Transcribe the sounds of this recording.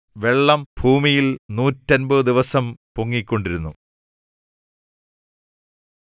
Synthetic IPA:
ʋe̞ɭːɐmbʱuːmijilnuːtːɐnbɐɨd̪iʋɐsɐmpuŋːikʲːo̞ɳɖiɾunːu

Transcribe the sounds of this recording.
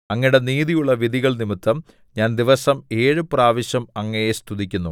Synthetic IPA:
ɐŋːɐiɽe̞niːðijuɭːɐʋiðiɣɐɭnimit̪ːɐm | ɲaːnd̪iʋɐsɐme̞ːɻɨpraːʋɐɕjɐmɐŋːɐjest̪ʰuðikʲːunːu

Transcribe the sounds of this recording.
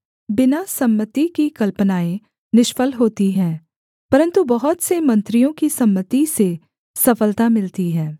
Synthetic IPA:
bɪnasɐmːət̪ikikɐlpənaːẽ | nɪʃfəlɦoːt̪iɦɛ̃ː | pɐɾə̃nt̪ubɐɦʊt̪semɐ̃nt̪ɾijõkisɐmːət̪ise | sɐfəlt̪amɪlt̪iɦɛ̃ː

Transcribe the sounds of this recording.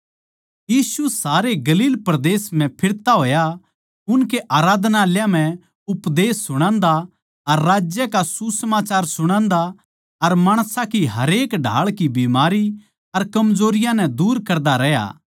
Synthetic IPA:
jiːsusaːɾeɡɐliːlpɾɐd̪eːsm̤ɛ̃pʰɪɾt̪aɦoːja | ʊnk̬eʔaːɾaːd̪naljãm̤ɛ̃ | ʊpd̪eːsːʊɽ̃ãːnd̪a | ɐɾːaːd͡ʒjəkasusəmaːt͡ʃaːɾsʊɽ̃ãːnd̪a | ɐɾmaːɽ̃sãkiɦɐɾeːkɖʱa̰ːɭkibimaːɾi | ɐɾkɐmzoːɾɪjãnɛ̃d̪uːɾkɐɾd̪aɾɛɦja̰ː

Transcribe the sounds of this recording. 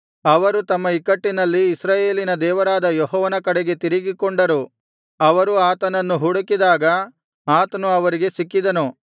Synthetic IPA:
ɐʋɐɾut̪ɐmːɐikɐʈːinɐlːiːsɾaːje̞ːlinɐd̪ɛːʋɐɾaːd̪ɐjɔɦɔːʋɐnɐkɐɽeɡe̞t̪iɾiɡikoɳɖɐɾu | ɐʋɐɾuaːt̪ɐnɐnːuɦuɽɐkid̪aːɡɐ | aːt̪ɐnuɐʋɐɾiɡe̞sikːid̪ɐnu

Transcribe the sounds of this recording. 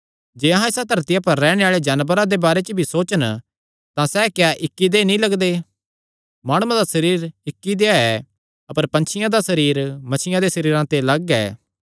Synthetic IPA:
d͡ʒeːɐɦãɪsat̪ɐɾt̪ɪjapɐɾːɛːɽ̃eaːɭed͡ʒaːnbəɾãd̪ebaːɾet͡ʃəbʱisoːt͡ʃən | t̪ãsɛːkjaʔɪkːid̪enĩlɐɡd̪eː | maːɽ̃ʊãd̪asɐɾiːɾɪkːid̪eaɛ | ɐpəɾpɐ̃nt͡ʃʰɪjãd̪asɐɾiːɾmɐt͡ʃʰɪjãd̪esɐɾiːɾãt̪elɐɡɛ̰ː

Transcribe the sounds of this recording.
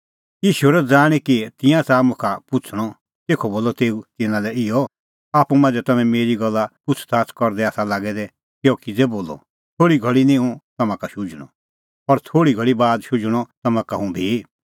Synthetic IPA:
jiːʃuɛɾɛd͡zaːɽ̃ikit̪ɪ̃jãt͡samũkʰapʊt͡sʰɽ̃ɔ | t̪eːkʰɔboːlɔt̪eːut̪ɪnãlɛɪɔ | aːpũmãːnd͡zɛt̪ɐmɛ̃meːɾiɡɔlːapʊt͡sʰt̪ʰaːt͡skɔɾd̪ɛaːsalaːɡɛd̪ɛ | kjoːkid͡zeboːlɔ̰ | t̪ʰoːɽiɡʱɐɭinĩɦũt̪ɐmãkaʃʊd͡ʒɽ̃ɔ̰̃ | pɐɾt̪ʰoːɽiɡʱɐɭibaːd̪ʃʊd͡ʒɽ̃ɔt̪ɐmãkaɦũbʱi

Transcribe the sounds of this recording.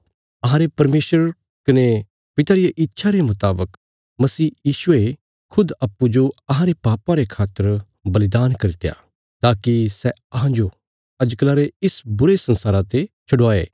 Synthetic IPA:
ɐɦãːɾepɐɾmeːʃəɾ | kɐne | pɪt̪aɾijeʔɪtːʃʰaɾemʊt̪aːbək | mɐsiːjiːʃʊe | kʰʊd̪ɐpːud͡ʒoɐɦãɾepaːpãɾekʰaːt̪ːəɾ | bɐlɪd̪aːnkɐɾɪt̪eja̰ː | t̪aːkisɛɐɦãd͡ʒo | ɐd͡ʒklaɾeɪsbʊɾesɐ̃nsaːɾat̪et͡ʃʰɐɽaːḛː

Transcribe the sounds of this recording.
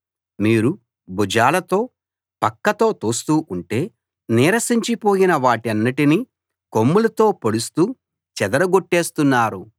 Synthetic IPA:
miːɾu | bud͡ʒaːlɐt̪o̞ː | pɐkːɐt̪o̞ːt̪oːst̪uːʔuɳʈe̞ː | niːɾɐsiɲt͡ʃipo̞ːjinɐʋaːʈɐnːiʈini | komːulɐt̪o̞ːpoɽust̪uː | t͡ʃɛd̪ɐɾɐɡoʈːe̞ːst̪unːaːɾu

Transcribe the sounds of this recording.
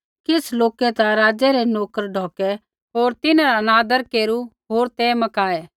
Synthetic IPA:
kɪsloːkɛt̪ãɾaːd͡ʒɛɾɛnoːkəɾɖʱɔːkɛ | ɦoːɾt̪ɪnãɾaɐnaːd̪əɾkeːɾuɦoːɾt̪emɐkaːɛː

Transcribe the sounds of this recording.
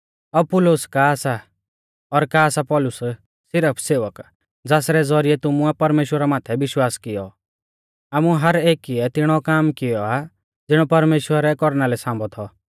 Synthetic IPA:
ɐbpʊlʊskaːsa | ɔɾkaːsapɔlʊs | sɪɾəpʰseːʋək | d͡zaːsɾɛd͡zɔɾiɛt̪ʊmuapɐɾmeːʃwəɾamaːt̪ʰɛʋɪʃwaːskɪjɔ̰ | aːmuɦɐɾeːkiɛt̪ɪɽ̃ɔkaːmkɪjɔa | d͡zɪɽ̃ɔpɐɾmeːʃwəɾɛkɔɾnalɛsãːmbɔt̪ʰɔ

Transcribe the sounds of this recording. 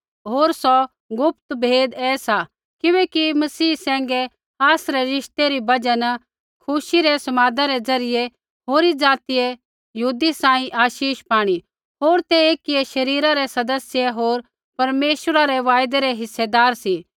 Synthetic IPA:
ɦoːɾsɔ | ɡʊp̚t̪bʱeːd̪ɛːsa | kɪʋɛːkimɐsiːsɛ̃ːŋɡɛ | aːsɾɛɾɪʃt̪eɾibɐd͡ʒan | kʰʊʃiɾɛsɐmaːd̪ãɾɛd͡zɐɾɪje | ɦoːɾid͡zaːt̪ije | jɐɦuːd̪isãːĩʔaːʃiːʃpaːɽ̃i | ɦoːɾt̪eeːkieʃɐɾiːɾaɾɛsɐd̪əsjeɦoːɾ | pɐɾmeːʃəɾaɾɛʋaːjd̪ɛɾɛɦɪsːed̪aːɾsi

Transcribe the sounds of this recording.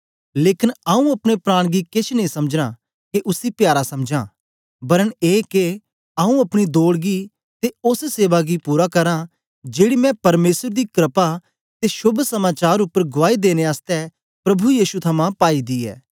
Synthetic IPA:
leːkɪnaũɐpɽ̃epɾaːɽ̃ɡikɪt͡ʃʰnəĩsɐmd͡ʒɽ̃a | keʔʊsipjaːɾasɐmd͡ʒãː | bɐɾəneːke | aːũɐpɽ̃id̪oːɽɡi | t̪eʊsseːʋaɡipuːɾakɐɾã | d͡ʒeːɽimɛ̃pɐɾmeːsəɾd̪ikɾɪpa | t̪eʃʊbʱsɐmaːt͡ʃaːɾʊpːəɾɡʊʋaːid̪eːneaːst̪ɛ | pɾɐbʱujiːʃut̪ʰɐmãpaːid̪iːɛ̰ː

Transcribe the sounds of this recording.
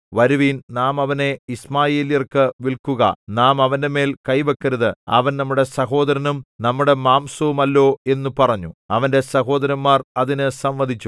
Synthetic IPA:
ʋɐɾuʋiːnnaːmɐʋɐne̞ismaːjeːlijɐrkɨʋilkuɣɐ̰naːmɐʋɐnde̞me̞ːlkɐjʋɐkːɐɾɐðɨɐ̰ʋɐnnɐmːuɽe̞sɐɦo̞ːd̪ɐɾɐnumnɐmːuɽe̞maːmsɐʋumɐlːo̞ːe̞nːupɐrɐɲːuɐʋɐnde̞sɐɦo̞ːd̪ɐɾɐnːaːrɐðinɨsɐmʋɐd̪ʱit͡ɕːu

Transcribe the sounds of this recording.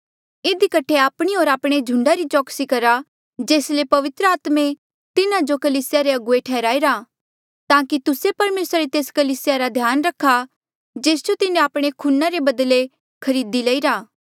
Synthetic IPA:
ɪd̪ikɐʈʰeaːpɽ̃ioːɾaːpɽ̃ed͡ʒʱʊ̃ɳɖaɾit͡ʃɔːksikɐɾa | d͡ʒeːslepɐʋɪt̪ɾəaːt̪mẽ | t̪ɪnad͡ʒokɐliːsɪjaɾeɐɡʊeʈʰɛːɾaːiɾa | t̪ãːkit̪ʊsepɐɾmeːsaɾet̪eːskɐliːsɪjaɾad̪ʱjaːnɾɐkʰːa | d͡ʒeːsd͡ʒot̪ɪnẽaːpɽ̃ekʰʊnːaɾebɐd̪le | kʰɐɾiːd̪ilɐːiɾaː

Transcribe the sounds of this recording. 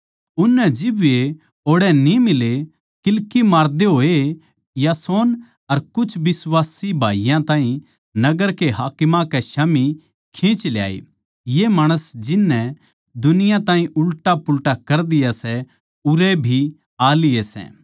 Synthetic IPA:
ʊnːɛd͡ʒɪbe | oːɽɛnimɪle | kɪlkimaːɾd̪eɦoːe | jasoːn | ɐɾkʊt͡ʃʰbɪsʋaːsibʱa̰ːijãt̪ãːɦĩ | nɐɡəɾkeɦaːkɪmãkɛʃami | kʰẽːt͡ʃlja̰ːḛ | jemaːɽ̃əsd͡ʒɪnːɛ | d̪ʊnɪjãt̪ãːɦĩʔʊlʈapʊlʈakɐɾd̪ɪjasɛ | ʊɾɛbʱi | aːlɪesɛ̰̃ː

